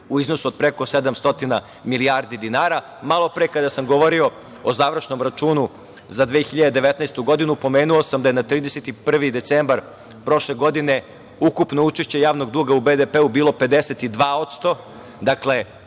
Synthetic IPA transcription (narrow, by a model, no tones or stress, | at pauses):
uizno̞suod̪̚pɾeko̞sed̪amst̪o̞t̪ina | miliaːɾd̪id̪inaːɾa | malˠo̞pɾekad̪asamɡoʋoɾio̞ | ozaːʋr̩ʃno̞mɾat͡ʃuːnu | zad̪ʋeːxiʎad̪ed̪eʋet̪nɛːst̪uɡo̞d̪inupo̞meːnuosamd̪ajenat̪ɾiːd̪eset̪ipr̩ʋid̪e̞t̪sembaɾ | pɾo̞ʃleɡo̞d̪ine̞ | ukupnout͡ʃeʃt͡ɕe̞jaːʋno̞ɡd̪uːɡaubed̪epeubiːlˠo̞pe̞d̪eset̪id̪ʋaːot̪st̪o̞ | d̪akle̞